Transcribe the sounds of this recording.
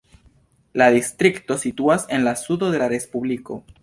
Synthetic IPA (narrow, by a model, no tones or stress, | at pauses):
laðist̪ɾikt̪o̞sit̪uase̞nlasuðo̞ðe̞laɾe̞spuβliko̞̰